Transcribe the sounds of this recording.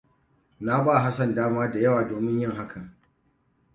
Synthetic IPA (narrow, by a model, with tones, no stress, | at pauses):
na˦baː˦˨ɦa˦sɐ˨ndaː˦maː˦da˨jɐ˦waː˨doː˨mɪ˦ɲjɪ˦ŋɦa˦kʰɐ˨ŋ